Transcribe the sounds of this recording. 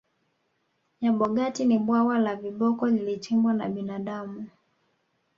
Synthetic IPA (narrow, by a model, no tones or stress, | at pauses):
ɲaɓɔɡatiniɓwawalaviɓɔkɔlilit͡ʃimbwanaɓinaɗamu